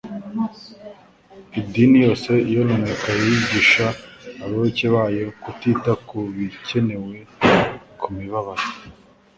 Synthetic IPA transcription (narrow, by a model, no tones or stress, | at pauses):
idinijo̞ːse̞ijononekajiiɟiʃaːβaβeceβajokutitakuβice̞ne̞we̞ | kʰumiβaβaɾo